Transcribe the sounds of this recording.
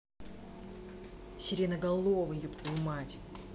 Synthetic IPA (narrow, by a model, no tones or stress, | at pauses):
sʲɪɾʲenɐɡɐlˠovɨjupt̪vɐjumatʲ